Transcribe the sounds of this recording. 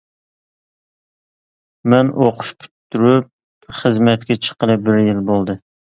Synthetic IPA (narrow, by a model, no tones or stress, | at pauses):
mɛnʔoqʰʊ̥ʃpʰy̥t̪ʰːyɾyp̚ | χəzmɛt̪̚kʲɛt͡ʃʰə̥qəlˠɨbɪɾjilbolˠd̪ɨ